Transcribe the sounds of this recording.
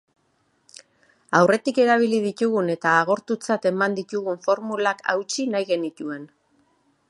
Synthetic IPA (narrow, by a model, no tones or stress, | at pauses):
awre̞t̪ike̞ɾaβ̞ilið̞it̪uɣune̞t̪aːɣ̞o̞ɾt̪ut͡sat̪e̞mand̪it̪uɣuɱfo̞ɾmulakʰa̰wt͡ʃinajɣe̞nit̪ue̞n